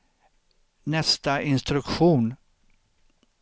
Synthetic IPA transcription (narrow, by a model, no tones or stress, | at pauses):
nɛst̪aɪnst̪ɾɵkɧuːn